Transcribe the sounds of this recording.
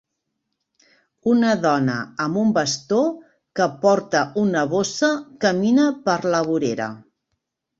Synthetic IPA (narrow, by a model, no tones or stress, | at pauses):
unəðɔnə̰əmumbəst̪o | kəpɔɾt̪əʔunəβ̞osəkəminəpəɾləβuɾeɾə̰